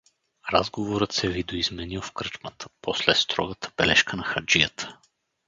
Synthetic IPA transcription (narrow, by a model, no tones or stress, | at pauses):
ɾazɡovoɾət̪sɛvid̪oizmɛniwˠfkɾɤt͡ʃmət̪ʰə̥pɔslɛst̪ɾɔɡət̪ə̥b̥ɛlɛʃkənɐxɐd͡ʒijət̪ʰə̥